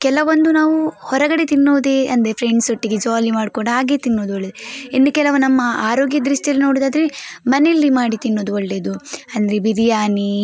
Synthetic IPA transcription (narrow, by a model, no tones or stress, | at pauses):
kɛlɐʋond̪unaːʋuhɔɾɐɡɐɽe̞t̪inːoːʋd̪eɐnd̪ɾepʰɾeɳɖsoʈːiɡed͡ʒaːlimaːɖkoɽɐaːɡeːt̪inːoːd̪uoɭːed̪inːukɛlɐʋɐnɐmːɐaːɾo̞ːɡjɐd̪ɾiʂʈiɐlːino̞ːɽid̪aːd̪ɾemɐnelːimaːɽit̪inːoːd̪uoɭːe̞ːd̪uɐnd̪ɐɾebiɾijaːni